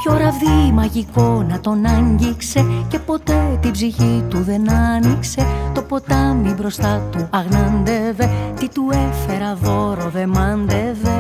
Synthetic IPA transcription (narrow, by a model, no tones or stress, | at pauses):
ço̞ɾɐvðimɐʝiko̞nɐt̪o̞nɐɲɟikse̞ce̞po̞t̪e̞t̪ibziçit̪uðe̞nɐnikse̞t̪o̞po̞t̪ɐmibɾo̞st̪ɐt̪uɐɣnɐnd̪eve̞t̪it̪ue̞fe̞ɾɐðo̞ɾo̞ðe̞mɐnd̪eve